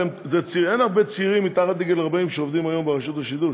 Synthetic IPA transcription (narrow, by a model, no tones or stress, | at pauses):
mzet͡sienaʁbet͡siʁimːit̪aχad̪iɡelaʁbaimʃeovd̪imajombeʁaʃut̪aʃid̪uʃ